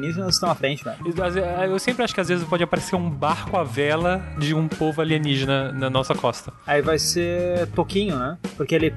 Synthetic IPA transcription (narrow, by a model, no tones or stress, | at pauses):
niʒenɐzɪst̪ɐ̃w̃ɐfɾẽnt͡ʃɪnɛ̃azewsẽmpɾɪaʃʊ̥kɪazvezɪspɔd͡ʒɪapaɾeseɾũbaɾkʊavɛlɐd͡ʒɪũpovʊaliɐ̃niʒenɐnɐnɔsɐkɔst̪ɐaivajsepokĩɲʊnɛpoɾkeelɪ